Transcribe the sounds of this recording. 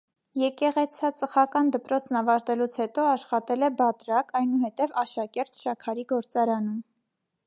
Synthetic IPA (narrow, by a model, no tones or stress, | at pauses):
jɛkɛʁɛt͡sʰɑt͡səχɑkɑnd̪əpɾɔt͡sʰnɑvɑɾt̪ɛlut͡sʰhɛt̪ɔɑʃχɑt̪ɛlɛbɑt̪ɾɑkɑjnuhɛt̪ɛvɑʃɑkɛɾt̪ʃɑkʰɑɾiɡɔɾt͡sɑɾɑnum